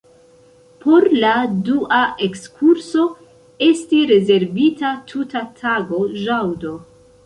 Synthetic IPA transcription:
pʰo̞ɾladuʔaʔekskʰuɾso̞ | e̞stiɾe̞ze̞ɾvitatʰutatʰaɡo̞ʒawdo̞

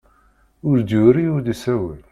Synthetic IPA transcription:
ʊɾd̪uɾiʊɾd̪isæwə̰l

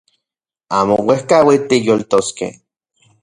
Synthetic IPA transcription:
aːmowehkawit̪ijolt̪oskḛh

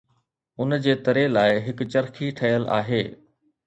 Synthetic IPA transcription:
ʊnd͡ʑeːt̪ɐɾelaːɪɦɪkt͡ɕɐɾkʰiʈʰɐjəlʔa̰ːɦeː

